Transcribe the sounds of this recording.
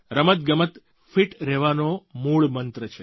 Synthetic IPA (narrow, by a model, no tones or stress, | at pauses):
ɾəmət̪̚ɡəmət̪ | fiʈɾɛʋanomuɭmənt̪ɾət͡ʃʰe